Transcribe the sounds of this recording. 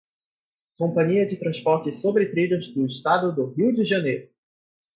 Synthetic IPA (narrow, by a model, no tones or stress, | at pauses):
kõmpɐ̃ɲiɐd͡ʒɪt̪ɾɐ̃spɔɾt͡ʃɪsobɾɪt̪ɾiʎʊzd̪ʊɪst̪ad̪ʊd̪ʊɦiwd͡ʒɪʒɐnejɾʊ